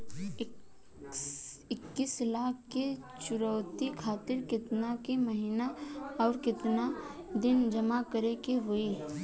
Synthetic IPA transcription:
ɪ | ɪkːislaːkʰke | t͡ʃʊɾəʊt̪ikʰaːt̪ɪɾkɪt̪nakeməɦinaɔːɾkɪt̪nad̪ɪnd͡ʒɐmakəɾekeɦoe

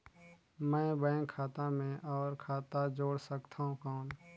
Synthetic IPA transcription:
mɛ̃ːbə̃kʰaːt̪amẽʔɔːɾkʰaːt̪ad͡ʒoːɽsəkt̪ʰaɦũkaɦːn

